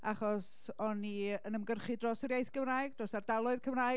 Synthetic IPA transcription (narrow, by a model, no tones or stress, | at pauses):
aχɔs | ɔniənəmɡərχɨdrɔsəɾjejθɡəvraːɨɡd̥rosardalˠʊɨðkʰəvra